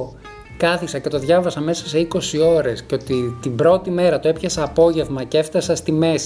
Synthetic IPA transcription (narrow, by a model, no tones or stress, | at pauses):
kɐθiksɐce̞t̪o̞ðʝɐvɐsɐme̞sɐ̥se̞iko̞sio̞ɾe̞sceo̞t̪it̪imbɾo̞t̪ime̞ɾɐt̪oe̞pçɐsɐːpo̞ʝe̞vmɐceeft̪ɐsɐst̪ime̞s